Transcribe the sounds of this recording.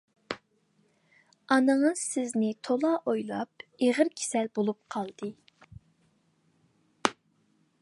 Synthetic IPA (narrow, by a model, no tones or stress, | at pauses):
ɑnɨŋəz̥sɪznɪt̪ʰolˠɑːʔojlˠɑ̰p̚eʁəɾkʲʰe̥sɛlbolˠup̚qʰɑlˠd̪̥ɨ